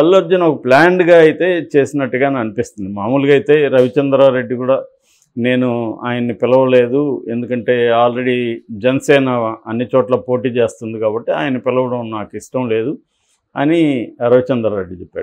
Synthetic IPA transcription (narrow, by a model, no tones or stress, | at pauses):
ɐlːod͡ʒːɐnɐɔkɐplaːɳɖɡaːɐjit̪e̞ːt͡ʃe̞ːsinɐʈːuɡaːnaɐnipist̪und̪imaːmuːluɡɐjt̪e̞ːɾɐʋit͡ʃɐnd̪ɾaːɾe̞ɖːikuːɽaː | ne̞ːnua̰ːjɐnːipilɐʋɐle̞ːd̪ue̞nd̪ukɐɳʈe̞ːaːlɾe̞ɽid͡ʒɛnɐsɛːnɐɐnːit͡ʃɔːʈlaːpo̞ːʈ̬iːt͡ʃe̞ːst̪und̪ikaːbɐʈːia̰ːjɐnːɐpɛlɐʋɐɽɐwnaːkiʂʈɐmle̞ːd̪u | ɐ̰niɾɐʋit͡ʃɐnd̪ɾaːɾeɖːit͡ʃɛpːa̰ːɽu